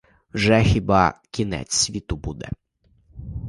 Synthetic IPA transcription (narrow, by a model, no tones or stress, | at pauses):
wʒɛxʲibɑkʲinɛ̰t͡sʲsʲʋʲit̪ʊbud̪ɛ̰